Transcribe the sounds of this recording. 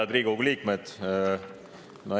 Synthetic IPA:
ɑd̪ɾiːɡ̥uɡliːkmed̪̥ | mɑ

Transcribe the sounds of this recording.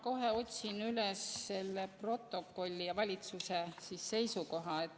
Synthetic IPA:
ko̞ɦe̞o̞t̪ʲsinylesːe̞lːepro̞t̪ˑːo̞kːˑo̞lʲːijɑvɑlʲit̪susesisse̞jsuko̞ɦɑet̪ː

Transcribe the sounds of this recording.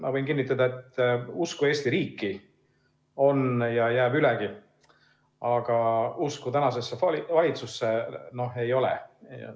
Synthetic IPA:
mɑ̰vɤ̞jnkinːit̪ˑːɑd̪ɑe̞t̪ːuskue̞ːst̪iɾiːkːi | o̞njɑjæːbylɛɡ̥i | ɑɡ̥ɑuskut̪ænɑs̬e̞sːelvɑlʲit̪susːeno̞ɦe̞jo̞lḛ

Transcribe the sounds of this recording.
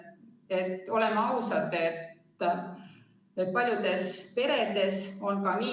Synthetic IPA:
e̞t̪ːˑo̞le̞mːɑɑwsɑd̪e̞t̪ː | et̪̚pɑlʲjud̪̥e̞spe̞ɾe̞d̪e̞so̞nkɑniː

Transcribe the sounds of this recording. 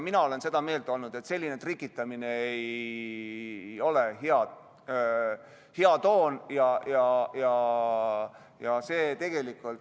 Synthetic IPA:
minɑo̞le̞nse̞d̪̥ɑme̞ːld̪o̞lnud̪̥e̞t̪se̞lʲːine̞t̪rikːˑit̪ːˑɑmine̞ej | o̞le̞ɦeɑd̪ | heɑt̪o̞ːnjɑjɑjɑ | jɑse̞ːt̪e̞ɡ̥e̞likːˑult̪

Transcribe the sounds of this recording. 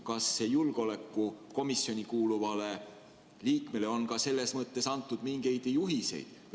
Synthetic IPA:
kɑsːe̞julɡ̥eo̞le̞kˑːuko̞misːjo̞nʲikuːluvɑle̞ | liːkme̞le̞o̞nkɑse̞lːe̞smɤt̪ːe̞sɑnt̪ːˑud̪̥miŋɡ̥e̞jd̪̥juɦise̞̰jd̪̥

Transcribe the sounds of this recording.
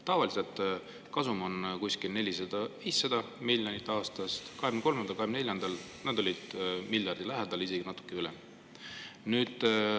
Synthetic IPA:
t̪ɑvɑliselt̪ | kɑsumo̞nkuskilne̞lʲisɑd̪̥ɑviːsːɑd̪ɑ | milʲjonit̪ːˑɑːst̪ɑst̪kɑheɡmneko̞lmend̪ɑlkɑhemneljɑnd̪̥ɑl | nɑd̪o̞lʲid̪̥milʲjɑrd̪̥ilæɦed̪̥ɑlise̞ɡinɑt̪ːˑu̥kːˑeylɛ̰m | nyːd̪̥

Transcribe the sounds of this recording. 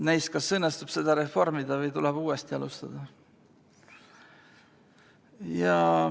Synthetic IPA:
næjskɑsɤnːest̪ub̥se̞d̪̥ɑɾe̞fo̞rmid̪̥ɑvɤjt̪ulɛb̥uːest̪iɑlust̪ɑd̪̥ɑ | jɑ

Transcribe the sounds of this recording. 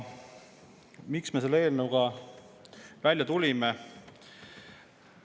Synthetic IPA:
miksme̞selːeeːlnəwɡ̥ɑ | vælʲjɑt̪ulʲime

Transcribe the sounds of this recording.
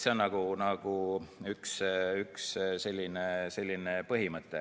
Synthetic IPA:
seonɑɡ̥unɑɡ̥uyksyksse̞lʲːinese̞lʲːinepɤɦimɤt̪ːˑe

